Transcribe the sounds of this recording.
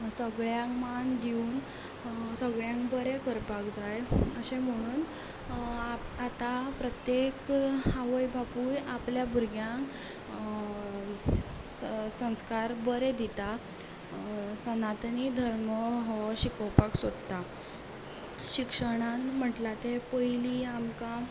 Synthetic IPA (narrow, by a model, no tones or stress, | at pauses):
səɡɭjaŋmand̪iuːn | səɡɭjãŋkbəɾekəɾpakd͡zajəsem̤əɽ̃uːn | at̪apɾət̪jekaʋəjbʱapujʔapljabuɾɡjãŋk | sə̃w̃skaɾbəɾed̪it̪a | sənat̪nid̪ʱəɾməɦɔɕikəwpaksod̪t̪a | ɕikʂəɽ̃anm̤əʈlat̪epəjliamka